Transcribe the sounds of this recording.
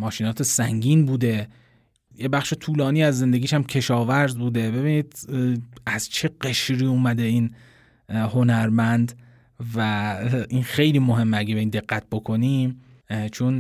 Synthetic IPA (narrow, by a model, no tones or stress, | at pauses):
mɒːʃiːnɒːt̪ʰesæŋɟiːnbuːd̪e̞ | jebæχʃet̪ʰuːlɒːniːæzːe̞nd̪e̞ɡiːʃæmcʲʰe̞ʃɒːvæɾzbuːd̪e̞be̞biːniːd̪̥ | æz̥t͡ʃʰe̞ɢe̞ʃɾiːuːmæd̪e̞iːn | ho̞næɾmænd̪ | væinxe̞jliːmoɦe̞mːeæɡebeiːnd̪e̞ɣːæt̪̚ʰbo̞kʰo̞nim | t͡ʃʰon